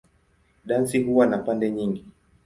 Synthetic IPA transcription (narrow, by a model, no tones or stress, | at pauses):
ɗansiɦuwanapandɛɲiŋɡi